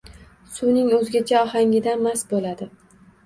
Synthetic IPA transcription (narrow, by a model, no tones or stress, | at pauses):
sunɪŋɵzɡʲat͡ʃʰaɒhaŋʲɪd̪amasbolad̪ɪ